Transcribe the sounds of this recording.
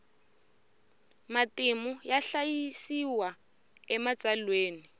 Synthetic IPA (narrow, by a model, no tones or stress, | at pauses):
matimujaɬajisiwa | ɛmat͡sʼalweːni